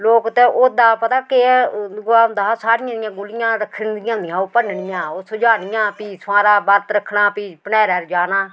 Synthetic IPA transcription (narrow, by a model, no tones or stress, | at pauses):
loːkt̪ẽːʔoːd̪aːpət̪aːkeɡlaːʊnd̪aːsaːɾɪjãːd̪ɪjãːɡʊlɪjãːɾəkʰːənd̪ɪjãːd̪ɪjãːoːpənnɪjãːoːsʊd͡ʒaːnɪjãːpiːsaːɾaːbəɾt̪ɾəkʰːnaːpiːpənɛːɾɛːɾd͡ʒaːnaː